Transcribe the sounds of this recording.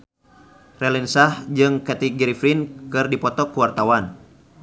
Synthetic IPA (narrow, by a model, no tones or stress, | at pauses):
rɛlinsahd͡ʒɨŋkɛt̪iɡɛɾifɾinkɨrdipɔt̪ɔkuwart̪awan